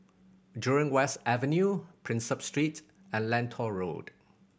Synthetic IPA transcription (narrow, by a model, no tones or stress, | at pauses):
djuɹɪ̃ŋwɛstɛvɛ̃njupʰɹɪ̃nsʌpstɹit | ɛ̃nlɛ̃ntʰɔɹo̰d̥